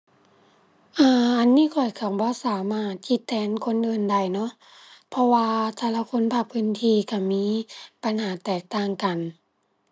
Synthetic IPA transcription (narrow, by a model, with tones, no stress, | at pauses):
ʔɤː˧ʔa˧nːiː˧˥˨kʰɔ˨˩jkʰa˧˩wbɔː˧˦saː˨˦maː˧˥˩t̪̚kʰi˧˦t̪ʰːɛː˧˥nkʰo˧˥˨nʔɤː˧˩nda˧˩jnɔ˧˥ʔ | pʰɔ˧waː˧t̪ʰa˧˩la˧kʰo˧˥˨npʰaː˧˩pʰɯː˧˥˨nt̪ʰiː˧ka˧˩miː˧˥˨pa˧nhaː˨˦t̪ɛː˨˩k̚t̪aː˧˩ŋka˨n